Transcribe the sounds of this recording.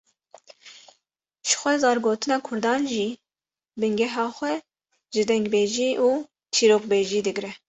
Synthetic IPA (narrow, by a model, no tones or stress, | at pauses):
ʃɨ̥xʷɛzɑːɾɡoːt̪ʰɨnɑːkʰʊɾd̪ɑːnʒiː | bɨŋɡɛɦɑːxʷɛ | ʒɨd̪ɛŋɡbeːʒiːʔuː | t͡ʃʰiːɾoːk̚beːʒiːd̪ɨɡɾɛ